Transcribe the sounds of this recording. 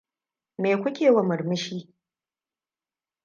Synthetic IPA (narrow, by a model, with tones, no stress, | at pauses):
meː˨kʷʊ˦kʲʰeː˨wa˨mɨ˨rmɨ˦ʃi˦